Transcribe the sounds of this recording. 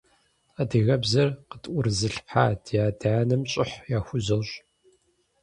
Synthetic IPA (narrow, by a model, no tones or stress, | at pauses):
adɨɣɐbzɐrqətʼʔʷʊrɨzɨɬħa̰ːdʰjaːdanɨmɕʼɪħjaːxʷʊzɐwɕʼ